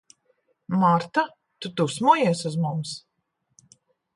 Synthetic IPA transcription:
maɾt̪a | t̪ut̪usmuɔjiɛsuzmums

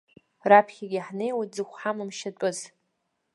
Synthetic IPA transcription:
rapʰχʲaɡʲiħnejwad͡zɨxʷħamɨmʃatʼʊz

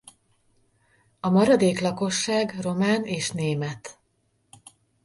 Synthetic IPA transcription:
ɒmɒɾɒd̪eːklɒko̞ʃːaːɡro̞maːneːʃneːmɛt̪

